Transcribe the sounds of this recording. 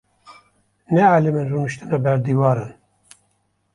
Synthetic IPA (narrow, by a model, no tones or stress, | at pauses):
nɛʕalɪmɨnrunɨʃt̪ɨnɑbɛɾd̪iwɑːɾɑn